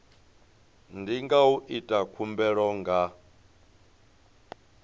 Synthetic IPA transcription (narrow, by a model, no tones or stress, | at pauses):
ndiŋɡauʔitʼakʰumbɛɺɔŋɡa